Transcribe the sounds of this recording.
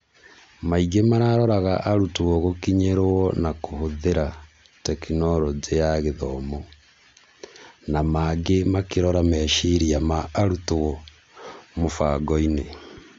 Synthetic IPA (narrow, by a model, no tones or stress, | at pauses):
maiɡemaɾaɾɔɾaɣaʔaɾutowɔɣokiɲeɾoɔnakohoðeɾa | tɛkinɔɾɔd͡zejaɣeðɔmo | namaɡemakeɾɔɾamɛːʃiɾiamaːɾutoɣɔ | mofaɡɔine